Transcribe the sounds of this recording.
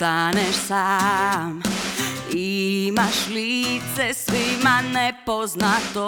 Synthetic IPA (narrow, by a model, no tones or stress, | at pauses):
t̪aɲɛʃsam | imaʃlit͡sɛsʋimanɛpɔznat̪ɔ